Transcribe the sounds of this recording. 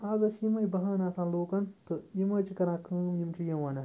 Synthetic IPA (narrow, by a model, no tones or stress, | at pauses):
aɡɐsjimɐibɐɦanaːsãːloːkɐnt̪ɨjimɐt͡ʃikɐɾãːkʰɨ̃mjimt͡ʃʰijɐwɐna